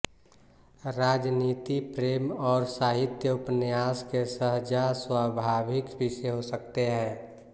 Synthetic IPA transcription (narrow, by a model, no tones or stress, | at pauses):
ɾaːd͡ʒniːt̪ipɾeːmɔːɾsaːɦɪt̪jəʊpnjaːskesəɦd͡ʒaswaːbʱaːbʱɪkbʱɪseɦosəkt̪eɦɛ̃ː